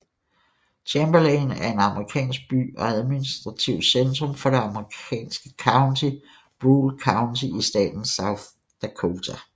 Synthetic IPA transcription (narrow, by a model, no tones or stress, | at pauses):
t͡ɕʰemb̥ɐlɛːnæɐe̝nɑ̈məʁikʰɛ̰ːnsɡ̥̚b̥y̰ːɒ̽æðˠminisd̥ʁɑ̈t͡sʰiʊ̰send̥ʁɔ̽mfɒ̽ɾ̥e̝ɑ̈məʁikʰɛ̰ːnsɡ̥əkʰɑ̈ʊnd̥ʰi | b̥ʁuːlkʰɑ̈ʊndʰiʔisd̥ɛ̰ːd̥n̩sɑʊθ | d̥ækʰot͡sʰæ